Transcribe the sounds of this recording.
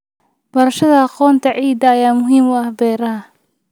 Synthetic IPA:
b̥ɐɾɐʃɐðɐɑqɔːnt̪ʰɐʕiːd̪ɐːjaːmʊɦiːmwɑhbɛːɾɐɦɐ

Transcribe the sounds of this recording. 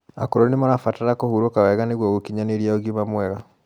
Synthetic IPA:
a̰koɾɔnemaɾafataɾakohuɾokawɛɣaneɣwɔɣokiɲaneɾiaoɡimamwɛɣa

